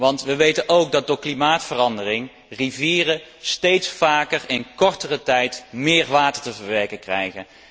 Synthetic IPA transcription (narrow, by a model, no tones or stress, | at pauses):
ʋɑntʋəʋejtənʔowɡ̚dɑt̚dʊːɹklimaːtfərɑndərɪŋ | riviːrəstejtsfaːkərɪnkɔɹtərətɛjtmɪːɹʋaːtəɹtəvəɹʋɛɹkənkrɛ̰jχən